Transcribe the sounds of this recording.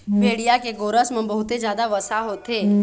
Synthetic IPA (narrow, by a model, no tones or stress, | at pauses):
bʱeːɽijakeɡoːɾəsmẽbəɦʊt̪ed͡ʒjaːd̪aʋəsaɦot̪eː